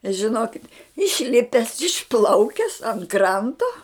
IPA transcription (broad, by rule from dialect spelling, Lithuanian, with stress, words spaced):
ʒʲɪˈnoːkʲɪtʲ ɪʃʲˈlʲɪpʲɛs ɪʃˈplˠɐʊkʲɛs ɐnt ˈkrɐntoː